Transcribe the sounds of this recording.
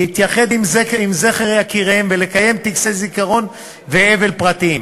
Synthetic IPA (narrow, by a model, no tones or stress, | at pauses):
hit̪jaχe̞d̪imzekimze̞χeʁjakiʁehemvele̞kaje̞mt̪iksezikaʁo̞n | veeve̞lpʁat̪iim